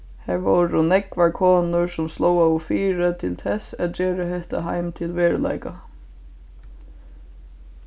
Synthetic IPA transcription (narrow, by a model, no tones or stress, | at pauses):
hæʋoɾʊnɛkʋaɹkʰɔːnʊɹsʊmslɔwawfiːɾət̪ʰɪlt̪ʰɛsæd͡ʒeːɾəɦɛht̪a̰ɦaɪmt̪ʰɪlʋeːɹla̰jka